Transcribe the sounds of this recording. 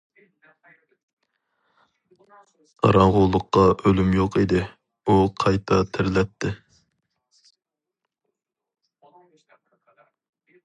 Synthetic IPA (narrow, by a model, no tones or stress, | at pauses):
ɑ̰ɾɑŋʁʊlˠːʊqːɑʔølymjoqʰid̪ɪ | uqʰɑjt̪ʰɑt̪ʰɪɾlɛt̪ʰːɪ